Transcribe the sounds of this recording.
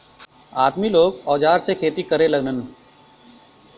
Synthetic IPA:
aːd̪miloːɡɔːd͡ʒaːɾsekʰeːt̪ikɐɾẽlɐɡnən

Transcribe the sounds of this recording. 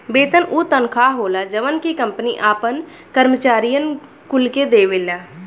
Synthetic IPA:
beːt̪ənʔut̪ənkʰaɦoːlad͡ʒəʋənkikə̃mpniʔaːpən | kəɾmət͡ʃaːɾijən | kʊlked̪eːʋeːlaː

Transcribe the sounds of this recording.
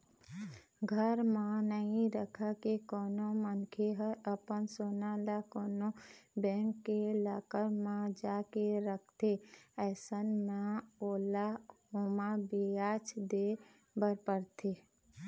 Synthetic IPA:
ɡʱəɾmãnəɦĩɾəkʰakekɔːnomənkʰeɦəɾəpənsoːnalakɔːnobɛ̃ːŋkːelaːkəɾmãd͡ʒaːkeɾəkʰt̪eɛːsənmaoːlahoːmãbeat͡ʃd̪e | bəɾpəɾt̪ʰe

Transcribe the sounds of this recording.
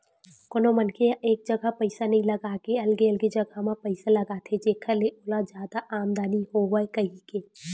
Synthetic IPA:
koːnomənkʰeʔeːk̚d͡ʒɐɡapəɪsanɐɦĩlɐɡaːkeɐlɡeɐlɡed͡ʒɐɡamãpəɪsalɐɡat̪ʰed͡ʒeːkʰaleʔoːlad͡ʒjaːd̪aʔaːmd̪aːnihowəekɐɦikeː

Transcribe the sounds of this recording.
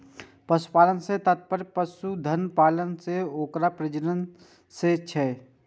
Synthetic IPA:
pəsu̥paːlənset̪ət̪̚pəɾpəsud̪ʱənpaːlənseoːkɾapɾəd͡ʒɾən | set͡ʃʰɛ

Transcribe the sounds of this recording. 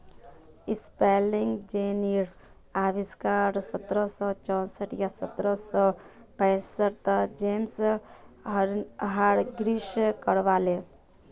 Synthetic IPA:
ɪspeːlɪ̃ŋɡd͡ʒeːniɾ | aːʋɪskaːɾsət̪ɾəsɔt͡ʃɔ̃ːsəʈjasət̪ɾəsɔː | pɛːsəɾt̪d͡ʒeːms | ɦaɾɡɾiʃkəɽʋaːle

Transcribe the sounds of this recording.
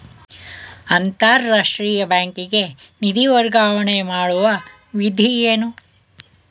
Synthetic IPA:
ɐnt̪aːɾːaːʂʈɾiːjɐbaːŋkiɡe̞ | nid̪iʋɐɾɡaːʋɐɳemaːɽuʋɐ | ʋid̪ʱijeːnu

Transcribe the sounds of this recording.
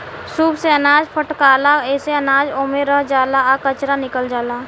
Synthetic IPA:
suːbseɐnaːd͡ʒpʰəʈkaːlaɛːseɐnaːd͡ʒoːmeɾəɦd͡ʒaːlaakət͡ʃɾanɪkəld͡ʒaːlaː

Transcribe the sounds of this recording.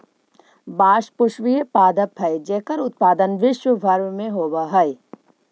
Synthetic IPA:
baːʃpʊʃʋijepaːd̪əpʰːɐjd͡ʒɛɦkəɾʊt̪̚paːd̪ənʋɪʃwəbʱɐɾʋmẽɦoːbaɦɐj

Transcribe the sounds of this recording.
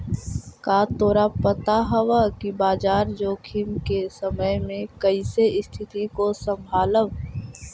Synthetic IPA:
kaːt̪oːɾapət̪aɦəwakibaːd͡ʒaːɾd͡ʒoːkʰimkesəməjmẽkəɪseɪst̪ʰɪt̪ikosə̃mbʱaːləw

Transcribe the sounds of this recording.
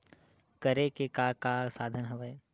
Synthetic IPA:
kəɾekekaːkaːsaːd̪ʱənɦɐʋəj

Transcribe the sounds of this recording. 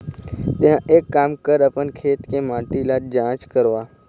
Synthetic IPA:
t̪eɦãʔeːkːaːmkəɾɐpənkʰeːt̪kemãːʈilad͡ʒãːt͡ʃkəɾoaː

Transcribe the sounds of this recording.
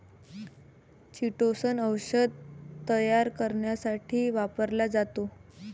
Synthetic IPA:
t͡ɕiʈosənəwɕəd̪̚t̪əjaɾkəɾɳjasaʈʰiːʋapəɾlad͡zat̪o

